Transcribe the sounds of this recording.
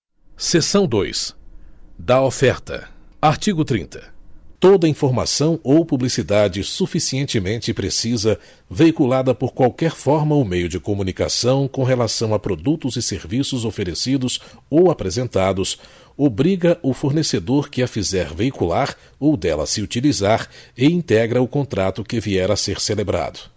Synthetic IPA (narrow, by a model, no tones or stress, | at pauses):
sesɐ̃w̃d̪ojs | d̪ɐofɛɾt̪ɐ̰aɾt͡ʃiɡʊt̪ɾḭ̃nt̪ʰɐ̥t̪od̪ɐĩfoɾma̰sɐ̃w̃owpublisid̪ad͡ʒɪsufisiẽnt͡ʃɪmẽnt͡ʃɪpɾesizɐ | veikulad̪ɐpoɾkwawkɛɾfɔɾmɐʊmejʊd͡ʒɪkomũnika̰sɐ̃w̃kõɦelasɐ̃w̃apɾod̪ut̪ʊzɪseɾvisʊzofeɾesid̪ʊsowapɾezẽnt̪ad̪ʊs | obɾiɡɐʔʊfoɾnesed̪oɾkɪɐfizɛɾveikulaɾ | owd̪ɛlɐ̰sɪut͡ʃilizaɾɪĩnt̪ɛɡɾɐʊkõnt̪ɾat̪ʊkɪviɛɾɐseɾselebɾa̰d̪ʊ